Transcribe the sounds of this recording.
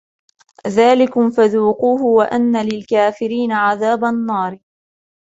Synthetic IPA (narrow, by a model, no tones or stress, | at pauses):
ðaːlɪkʊmfaðuːquːhʊwaʔanːalɪlkaːfɪɾiːnaʕaðaːbanːɑːɾ